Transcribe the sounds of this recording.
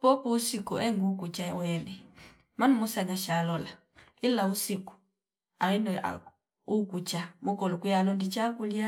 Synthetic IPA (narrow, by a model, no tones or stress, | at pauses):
pɔpuusikuʔɛŋɡukut͡ʃawɛnɛ | manumusaɲaʃalɔla | ilausiku̥ | aɣinɔa̰ | ukut͡ʃamukɔlukujalɔndit͡ʃakulja